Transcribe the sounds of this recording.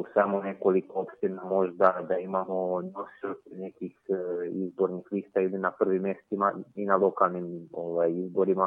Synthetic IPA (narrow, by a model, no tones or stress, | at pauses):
samo̞ne̞ko̞likoopʃt̪inamo̞ʒd̪ad̪aimamo̞no̞siod̪ne̞kixizbo̞ɾnixliːst̪ailinapr̩ʋimːjest̪imainalo̞kalˠnimo̞ʋajizbo̞ɾima